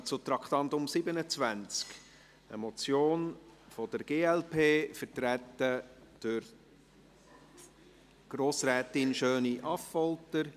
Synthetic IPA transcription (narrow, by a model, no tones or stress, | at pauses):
t͡sʊt̪ɾɑkχt̪ɑnt̪ʊmsɪbənət͡svænt͡sk | ə̰mɔt͡sjoːnfɔd̥̪əɾɡ̥eːɛlpʰeːfəɾtɾæt̪ːəd̥øɾ | ɡ̥ɾoːsɾɛːt̪ɪnʃøːniʔɑfːɔltəɾ